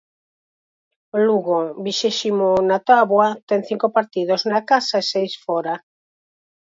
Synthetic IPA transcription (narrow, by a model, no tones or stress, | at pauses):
luɣobiʃeʃimonat̪aβwat̪ɛŋθiŋkopaɾt̪iðoznakasaesejsfɔɾa